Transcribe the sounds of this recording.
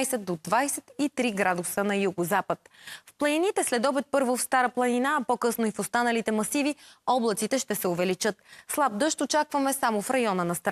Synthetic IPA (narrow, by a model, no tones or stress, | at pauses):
jsɛd̪od̪vajsɛt̪it̪ɾiɡɾad̪ʊsənɐjuɡʊzapət̪fplˠɐninit̪ɛslɛd̪ɔbɛt̪̚pɤɾvofst̪aɾəplˠɐninaːpokɤsnoifost̪anɐlit̪ɛmɐsiviɔblˠɐt̪sit̪ɛʃt̪ɛsɛovɛlit͡ʃɤt̪slˠab̚d̪ɤʃt̪ot͡ʃakvɐmɛsamofɾɐjɔnənɐst̪ɾ